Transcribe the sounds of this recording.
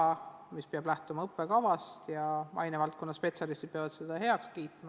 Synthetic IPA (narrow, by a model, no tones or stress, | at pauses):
ɑmispeɑb̥læht̪umɑɤpːe̞kɑvɑst̪jɑmʔɑ̰jnevɑlt̪̚konːɑspe̞t̪ʲsɑlist̪id̪̥̚peɑvɑd̪sed̪̥ɑɦe̞ɑkskiːt̪mɑ